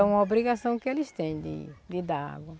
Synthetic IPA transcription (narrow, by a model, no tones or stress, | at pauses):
ũmɐobɾiɡasɐ̃w̃kɪelɪst̪ẽj̃d̪ɪ̰d̪ɪd̪aa̰ɡwɐ